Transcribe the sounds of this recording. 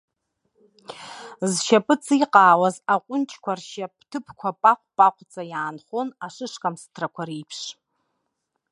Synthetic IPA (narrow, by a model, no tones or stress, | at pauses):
zʃapʼɨt͡sʰʼiqʼaːwazaqʷʼʊnt͡ʃʼkʷʰarʃaptʰɨpʰkʷʰapʼaqʷʼpʼaqʷʼt͡sʼajaːnχonaʂɨʂkʼamstʰrakʷʰaɾipʰʂ